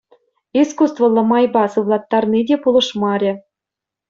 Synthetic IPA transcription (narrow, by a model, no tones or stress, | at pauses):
iskust̪vɤ̆lˠɤ̆mɑjbɑsɯʋlˠɑt̪ːɑrnidʲepulˠɤ̆ʂmɑɾʲɘ̆